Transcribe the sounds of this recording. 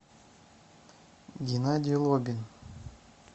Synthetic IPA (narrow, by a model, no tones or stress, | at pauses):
ɡʲinad̪ʲɪjlˠobʲin